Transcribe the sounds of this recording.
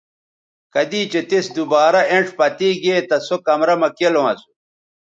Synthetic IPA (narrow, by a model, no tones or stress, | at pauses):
kɐd̪iːt͡ɕet̪esd̪ubaːɾɐʔeɳʈ͡ʂpɐt̪iːɡeːt̪ɐsokɐmɾɐmɐkelõɐsu̥